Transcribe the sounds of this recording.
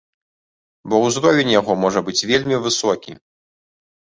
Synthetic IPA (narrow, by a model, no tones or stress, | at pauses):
bɔwzɾɔvʲenʲjaɣɔmɔʐɐbɨt͡sʲvʲelʲmʲivɨsɔkʲḭ